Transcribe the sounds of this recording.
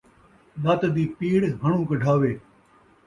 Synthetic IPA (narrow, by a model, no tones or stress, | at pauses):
ɗ̪at̪d̪iːpiːɽɦəɳũːkɖʱaːʋeː